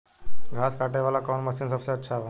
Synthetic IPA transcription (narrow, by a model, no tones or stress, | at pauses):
ɡʱaskaʈeʋalakɔwnməsiːnsəfseətːɕʰaʋa